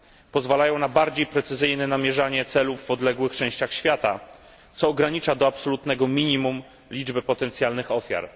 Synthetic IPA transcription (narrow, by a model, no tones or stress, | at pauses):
pɔzvalajɔ̃w̃nabaɾd͡ʑejpɾɛt̪sɘzɘjnɛnamʲjɛʐaɲɛt̪sɛluvːɔd̪lɛɡwɘxt͡ʂɛ̃w̃ɕt͡ɕaxɕfʲjat̪a̰ | t̪sɔːɡɾaɲit͡ʂad̪ɔapsɔlut̪nɛɡɔmʲiɲimum | lʲid͡ʐbɘpɔt̪ɛnt̪sʲjalnɘxɔfʲja̰ɾ